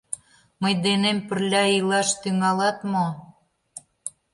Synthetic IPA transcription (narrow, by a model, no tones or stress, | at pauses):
məjd̪enempə̆rlʲɑilɑʃt̪yŋɑlɑt̪mo